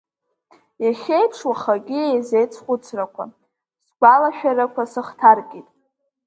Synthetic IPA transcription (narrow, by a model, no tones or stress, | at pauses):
jaχʲejpʰʂwaχaɡʲiejzejt͡sʰχʷʊt͡sʰrakʷʰa̰ | sɡʷalaʃᶣaɾakʷasɨχtʰarkʲʼitʼ